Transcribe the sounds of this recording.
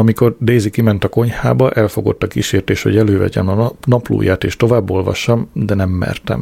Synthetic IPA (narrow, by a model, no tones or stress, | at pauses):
ɒmiko̞rd̪eːzikimɛnt̪ɒko̞ɲha̰ːbɒʔɛlfo̞ɡo̞̰t̪ːɒkiʃeːrt̪eːʃho̞̰ɟɛløːvɛ̰ɟɛmɒnɒplṵːjaːt̪eːʃt̪o̞vaːbːo̞lvɒ̰ʃːɒmd̪ɛnɛmːɛ̰rt̪ɛ̰m